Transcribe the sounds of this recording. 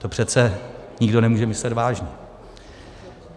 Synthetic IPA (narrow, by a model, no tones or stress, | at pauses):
t̪o̞pr̥ɛt͡sɛɲɪɡdo̞nɛmuːʒɛmɪslɛt̪vaːʒɲɛ